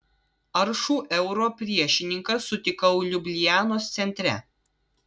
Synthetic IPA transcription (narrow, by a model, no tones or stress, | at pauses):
ɐɾʃuːʔɛʊɾoːpʲɾʲiɛʃʲɪnʲɪŋkɐsʊt̪ʲɪkɐʊlʲʊbʲlʲɪjæːnoːst̪sʲɛnʲt̪ʲɾʲɛ̰